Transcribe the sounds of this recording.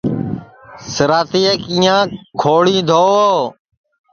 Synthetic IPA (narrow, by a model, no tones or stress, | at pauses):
səɾaːt̪iːəkĩːjãːkʰoːɽĩːd̪ʱoːoː